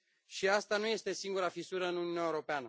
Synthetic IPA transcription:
ʃiast̪anuje̞st̪e̞siŋɡuɾafisuɾəɨnununaeuɾo̞peanə

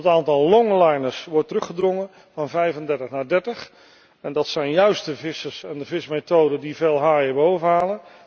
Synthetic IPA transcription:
ətaːntɑlˠlɔŋlajnəɹsʋɔɹtərɵχədroŋən | vɑnvɛjvəndɛɹtəχnaːdɛɹtəχ | ɛndɑtsɛjnjœɥstəvɪsəsɛndəvɪsmejtowdəndiveːlˠɦaːəbowvəɦaːlən

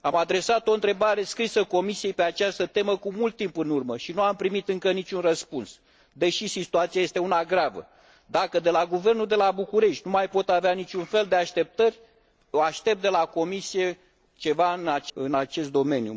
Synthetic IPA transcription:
amad̪ɾe̞sat̪o̞ɨnt̪ɾe̞baɾe̞skɾisəko̞misije̞jpe̞at͡ʃast̪ət̪e̞məkumult̪ːimpɨnurməʃinuampɾimit̪ɨŋkənit͡ʃʲunrəspuns | d̪e̞ʃisit̪uat̪sijaje̞st̪e̞unaɡɾavə̰ | d̪akəd̪e̞laɡuve̞rnuld̪e̞labukuɾe̞ʃt̪ʲnumajpo̞t̪aveanit͡ʃʲunfe̞ld̪eaʃt̪e̞p̚t̪ərʲ | oaʃt̪e̞p̚td̪e̞lako̞misije̞ | t͡ʃe̞vaɨnaɨnat͡ʃe̞s̬t̪d̪o̞me̞njṵ

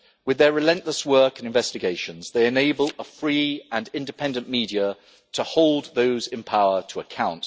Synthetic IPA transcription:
wɪðəɹɪlɛ̃nʔləswɜˑkə̃nɪ̃ɱvɛstɪɡeɪʃə̃nzðeɪɨneɪbələfɹiːə̃nɪ̃ndɪpʰɛ̃ndə̃nmiːdiə | tʰəhoʊlˠd̪̚ðoʊzɪ̃npʰaʊətʰəəkʰãʊ̃nt

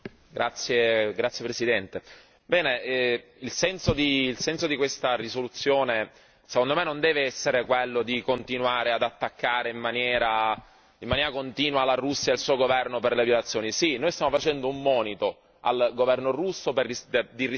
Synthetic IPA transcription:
ɡɾat̪sːjeɡɾat̪sːjepɾesid̪ɛnt̪e | bɛːneɛ | ilsɛnsod̪iːlsɛnsod̪ikwest̪arisolut̪sːjoːne | sekond̪omɛnːond̪ɛːveɛsːeɾekwelːod̪ikont̪inwaːɾead̪at̪ːakːaːɾeimːanjɛːɾa | imːanjɛːɾakont̪iːnwalarusːjailsuːoɡovɛrnoperlevjolat̪sːjoːnisinːoːjst̪jamofat͡ʃɛnd̪oumːɔːnit̪o | a̰lɡovɛrnorusːoperːid̪iri

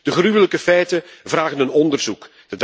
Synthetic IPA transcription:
d̥əχrywələkəfɛjtəvraːɣənənɔndərzuk | d̥əd

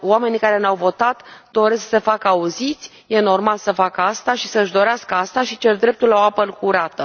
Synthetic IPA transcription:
oame̞nikaɾe̞nawvo̞t̪at̪d̪o̞ɾe̞sksse̞fakəauzit̪sʲ | je̞no̞rmalsəfakəast̪aʃisəɨʃd̪o̞ɾeaskəast̪aʃit͡ʃe̞rd̪ɾe̞p̚t̪ulːaoapəlkuɾat̪ə

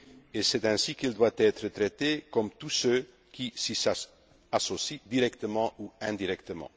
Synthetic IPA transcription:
esɛt̪ɛ̃sikild̪wat̪ɛt̪ɾət̪ʁɛt̪ekɔmt̪usø | kisisa | asɔsid̪iʁɛkt̪əmɑ̃uɛ̃d̪iʁɛkt̪əmɑ̰̃

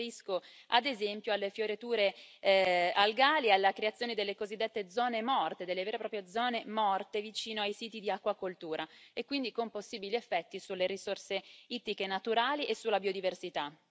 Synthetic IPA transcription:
ɾisko | a̰d̪ezɛmpjoalːefjoɾet̪uːɾe | alɡaːlialːakɾeat̪sːjoːned̪elːekozid̪ːet̪ːed̪zɔːnemɔrt̪ed̪elːeveːɾepɾɔːpɾjed̪zɔːnemɔrt̪evit͡ʃiːnoajsiːt̪id̪iakːwakolt̪uːɾʔaekwind̪ikomposːiːbiliefːɛt̪ːisulːeɾisorseiːt̪ikenat̪uɾaːliʔesulːabiod̪iversit̪a

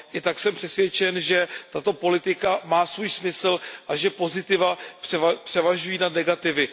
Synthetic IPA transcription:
ʔɪt̪aksɛmpr̥ɛsvjɛt͡ʃɛnʒɛt̪at̪o̞po̞lɪt̪ɪkamaːsvuːjsmɪsl̩ʔaʒɛpo̞zɪt̪ɪvapr̥ɛvapr̝̥ɛvaʒujiːnad̪nɛɡat̪ɪvɪ

